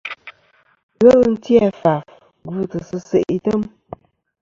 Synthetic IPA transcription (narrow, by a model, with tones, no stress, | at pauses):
ɣə˦ln̩˦tjɛ˦fa˨f | ɡu˦˨tə˨sɨ˦sə˨ʔi˨tə˦m